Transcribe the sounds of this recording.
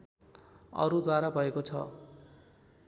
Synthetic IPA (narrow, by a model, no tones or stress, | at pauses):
ʌ̰ɾud̪waɾabʱʌekot͡sʰʌ̰